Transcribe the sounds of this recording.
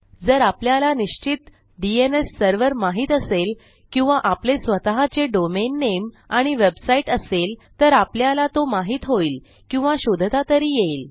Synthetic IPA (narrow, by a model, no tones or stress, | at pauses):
d͡zəɾapljalaniɕt͡ɕit̪ | ɖienesːəɾʋəɾmaɦiːt̪əsel | kĩw̃ʋaʔaplesʋət̪aɦat͡seɖomenːem | aɽ̃iʋebsaiʈəselt̪əɾapljalat̪omaɦiːt̪ɦoiːl | kĩw̃ʋaɕod̪ʱt̪at̪əɾiːjeil